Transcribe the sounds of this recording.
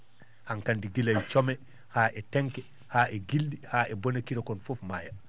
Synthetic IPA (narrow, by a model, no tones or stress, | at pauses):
haŋkandiɡilajt͡ʃɔmɛ | haːʔɛtɛŋkɛ | haːʔɛɡilɗihaʔɛbonekiɾɔkɔnfofmaːja